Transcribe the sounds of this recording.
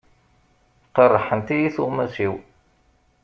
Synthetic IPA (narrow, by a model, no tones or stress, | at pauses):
qərˤːəħənt̪ijiθuʁmæsiw